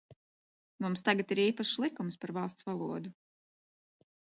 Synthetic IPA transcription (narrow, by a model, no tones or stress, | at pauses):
mumst̪aɡat̪iɾiːpaʃlˠikumspaɾvɑlˠst̪svalˠuɔd̪u